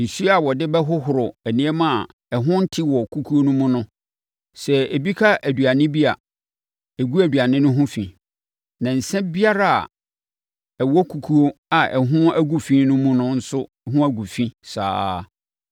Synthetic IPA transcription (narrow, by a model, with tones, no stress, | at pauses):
n̩˨su˦a˨wɔ˨dɪ˦bɛ˦ɦʊ˦ɦʊ˨ɾʊ˨æ˨nĩ˦ɛ˦mã˦˨a˨ | ɛ˨ɦʊ̃˦n̩˦tʰɪ˦wɔ˨kʰu˦kʰu˦o˦nʊ̃˦mʊ̃˦nʊ̃˦ | sɛ˨e˨bi˦kʰa˦ʔæ˨du˨a˨nɪ̃˦bi˦a˨ | e˨ɡu˦æ˨du˨a˨nɪ̃˦nʊ̃˦ɦʊ̃˦fḭ̃˨ | nã˨n̩˨sɛ̃˦bi˦a˦ɾa̰˨ | ɛ˨wɔ˦kʰu˨kʰu˦o˦a˨ʔɛ˨ɦʊ̃˦æ˦ɡu˨fĩ˦nʊ̃˦mʊ̃˦nʊ̃˦n̩˦sʊ˦ɛ˨ɦʊ̃˦æ˦ɡu˨fĩ˦sa̰ː˦